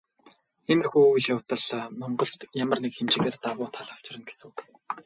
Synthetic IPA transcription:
xemɘ̆rxujiɮjawt̪ə̆ɮmʊɴɢɞ̆ɬt̪jamə̆rnekxemt͡ɕɪ̆ɣeːrt̪awʊːt̪ʰaɮaw̥t͡ɕɪ̆rə̆nɡesŋuk

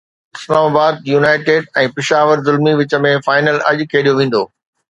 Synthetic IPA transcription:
ɪslaːmaːbaːd̪̚juːnaːɪʈeːɖɛ̃ːpɪʃaːʋəɾzʊlmiʋɪt͡ɕə̆mẽfaːɪnəlɐ̰ʄkʰeːɗijoʋẽːn̆d̪oː

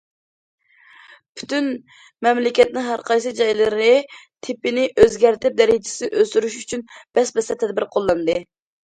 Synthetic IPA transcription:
pʰy̥t̪yn | mɛmlɪkʲɛt̪nɪɦæɾqʰɑjsɨd͡ʒɑjlˠɨɾɨnɨt̪ʰɪpɪnɪʔøzɡʲæɾt̪ɪp̚d̪ɛɾɪd͡ʒɪ̥sɪʔøst̪yɾyʃyt͡ʃʰynb̥ɛsbɛsɛt̪ʰɛd̪̚bɪɾqʰolˠːɑnd̪ɨ

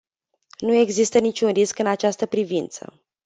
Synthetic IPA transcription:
nue̞ɡzist̪ənit͡ʃʲunriskɨnat͡ʃast̪əpɾivint̪sə̰

